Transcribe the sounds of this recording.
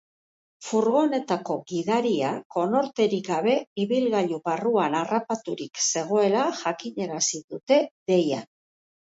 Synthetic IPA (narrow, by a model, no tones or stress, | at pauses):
fuɾɣo̞one̞t̪ako̞ɣiðaɾiako̞no̞ɾt̪e̞ɾikɡaβe̞iβilɣaʎuβaruanarapat̪uɾikse̞ɣ̞o̞e̞laʝakiɲe̞ɾasiðut̪e̞ðe̞ja̰